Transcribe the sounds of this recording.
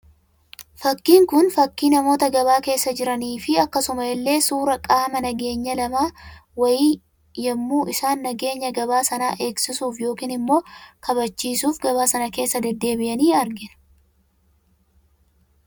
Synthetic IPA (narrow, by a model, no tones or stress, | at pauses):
fɐkːiːŋkʊnfɐkːiːnɐmo̞ːt̪ɐɡɐβaːke̞ːsːɐd͡ʒɪɾɐniːfɪɐkːɐsʊmɐjɛlːe̞ːsuːɾɐkʼaːmɐnɐɡe̞ːɲːɐlɐmaːwɐjiː | jɐmːuːɪsaːnːɐɡe̞ːɲːɐɡɐbaːsɐnaːʔe̞ːksɪsuːfjo̞ːkiːnɪmːo̞ːkɐβɐt͡ʃːiːsuːfɡɐβaːsɐnɐke̞ːsːɐd̪ɛd̪ːe̞ːbɪʔɐniːɐɾɡɪnɐ̥